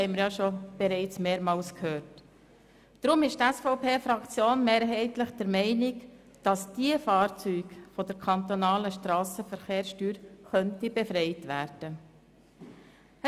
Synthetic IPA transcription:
hɛɪməɾjɑʃɔb̥ɛɾɛɪt͡smeːɾmɑːlskhøːɾtː | ɾʊmɪʃtɛsfɔʊpʰeːfɾɑkt͡sjoːnmeːɾɦɛɪtləχd̥ɛɾmɛɪnɪk | d̥ɑsd̥iəfɑːɾt͡syːkfɔd̥əɾkʰɑnt̪onɑːləʃtɾɑːsəfəɾχeːɾstyːɾχœntibɛfɾɛɪtʋæːɾd̥ə

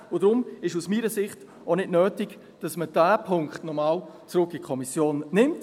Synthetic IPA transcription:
ʊdɾʊmɪʃusmiːɾəsɪχt | onɪdnøːtɪɡ | d̥ɑsməd̥æːpʰʊŋkχtnɔmaːw | t͡sɾʊkːikʰχɔmisjoːnːɪmt

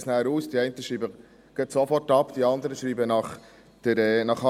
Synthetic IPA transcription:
snæːɾuːsd̥iɛɪntəʃɾiːbə | ɡ̥ɛtsofɔtɑpd̥iɑnd̪əɾəʃɾiːbənɑχ | d̥əɾɛnɑχɑ

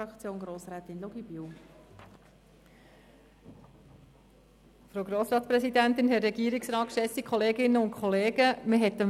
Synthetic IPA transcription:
ɑkt͡sjoːnɡɾoːsɾɛːt̪ɪnloɡibiw | fɾoʊɡɾoːsɾɑːtspɾɛsidænt̪ɪnɦɛtɾɛɡ̥iːəɾɪksɾɑːt̚kʃɛsikʰχɔleːɡɪnːəʊnkʰχɔleːɡ̥əməɦɛt̪əm

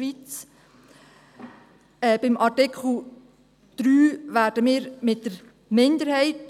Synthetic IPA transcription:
ʋit͡s | ɛːb̥ɪmʔɑtɪkχl̩ | d̥ɾyːʋæːɾdəmiːɾmɪt̚d̥əɾ | mɪndəɾhɛɪt

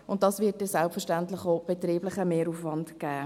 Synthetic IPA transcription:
ʊntdɑsvɪːt̚dɛsælpfəɾʃtæntlɪχoʊb̥ɛtɾiːblɪχəmeːɾuːfvɑndkæː

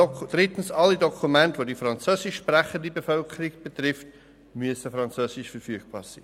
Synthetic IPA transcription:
d̥ɾɪtən̩sɑlidɔkʰumɛntʋodifrɑnt͡søːsɪʃprɛχəndəbəfœlkʰəɾɪɡb̥ət̪rɪft | myəsəfɾɑnt͡søːsɪʃfəɾfyːəɡ̥̚b̥ɑ̰ːɾz̥iː

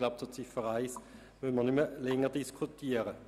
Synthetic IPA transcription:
laʊp̚t͡sut͡sifəʁaɪs | mønmənʏməlɛŋədiskʰutʰiːəʁə

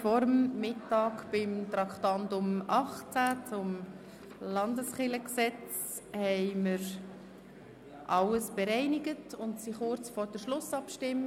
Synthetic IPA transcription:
fɔɾəmːɪtɑːkb̥ɪmtɾɑkχtɑndʊmɑχt͡sæt͡sʊm | lɑndəsχɪləksɛt͡s | hɛɪməɾ | ʔɑləsb̥eɾɛɪnɪɡətʊntsiχʊɾt͡sfɔɾd̥əʃlʊsɑpʃtɪmː

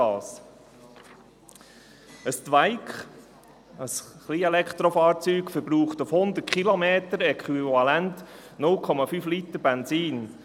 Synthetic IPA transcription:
ɑːs | əst̪væɪkχ | əsχliːɛlɛkχt̪ɾɔfɑːɾt͡syːkfəɾbɾuːχtufhʊnd̪ət̚kʰχilomeːt̪əɾɛkχyvɑlɛntnʊlkʰɔmɑfyːflitəɾbɛnziːn

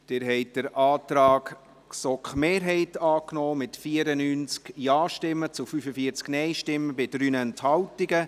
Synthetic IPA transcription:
d̥ɪːɾɦɛɪt̚d̥əɾɑːtɾɑːk | sɔkχmeːɾɦɛɪtɑːknɔːmɪtfiəɾənyːnt͡skjaːʃtɪmːət͡sufyfəfiəɾt͡sknɛɪʃtɪmːəbɪdɾyːnɛnthɑltiɡə

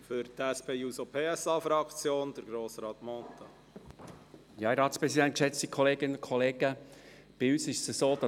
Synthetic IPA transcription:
fʏɾt̪ɛspʰeːjuːsopʰeːɛsɑfɾɑkt͡sjoːnd̥̪əɾɡɾoːsɾɑːt̪mɔːt̪ɑ | jɑːɾɑːtt͡spɾɛsidɛnt̚kʃɛt͡stikʰɔleːɡ̥ɪnənʊnkʰɔleːɡ̥ə | b̥ɪyːsɪʃəsəsoːd̥̪ɑ

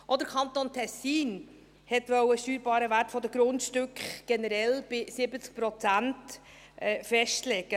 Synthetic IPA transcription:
ʔɔd̪əɾkʰχɑnt̪oːnt̪ʰɛsːiːn | hɛt̪ʋœwəʃtyːɾbɑːɾəvæɾtfɔd̪əɡ̥ɾʊntʃtʏkχɡ̥ɛnəɾɛlb̥ɪsɪbət͡sk̚pɾɔt͡sænt | ʔɛfɛʃtlɛɡə

